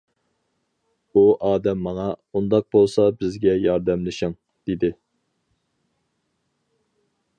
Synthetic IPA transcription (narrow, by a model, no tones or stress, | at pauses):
uʔɑːd̪ɛmːɑŋɑund̪ɑq̚bolˠsɑbɪzɡʲɛjɑɾd̪ɛmlɪʃɪŋ | d̪̥ɪd̪ɪ